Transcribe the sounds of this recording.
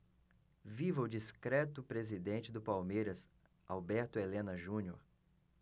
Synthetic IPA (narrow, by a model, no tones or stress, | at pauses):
vivɐʊd͡ʒiskɾɛt̪ʊpɾezid̪ẽnt͡ʃɪd̪ʊpawmejɾɐs | a̰wbɛɾt̪ʊelẽnɐʒũnoɾ